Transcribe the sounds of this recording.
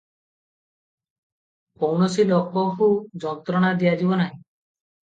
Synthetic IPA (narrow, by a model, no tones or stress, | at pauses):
powɳɔsilɔkːɔkud͡ʒɔnt̪ɾɔɽ̃ad̪iad͡ʒibɔnaɦĩ